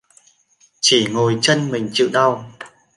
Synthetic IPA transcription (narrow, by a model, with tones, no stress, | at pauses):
t͡ɕi˧˩ŋo˨˩jt͡ɕə˧nmï˨˩ŋ̟t͡ɕɨ̰˧˨ɗa˧w